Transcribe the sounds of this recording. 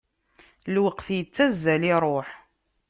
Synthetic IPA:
lwəqθjət͡sːæzːæliɾˤoħ

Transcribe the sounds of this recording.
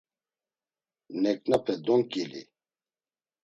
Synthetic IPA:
nɛknapʰɛd̪ɔŋkilḭ

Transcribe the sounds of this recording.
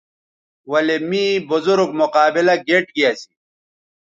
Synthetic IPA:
wɐlemĩːbʊzuɾɡmʊqaːbilɐɡeːʈɡijasi̥

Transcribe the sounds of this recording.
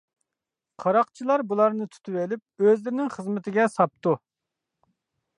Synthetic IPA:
qʰɑɾɑqt͡ʃʰilˠɑɾbulˠɑɾnɨt̪ʰy̥t̪ʰywelɪp̚øzlɪɾɪnɪŋχəzmɪt̪ʰɪɡʲɛsɑp̚t̪u

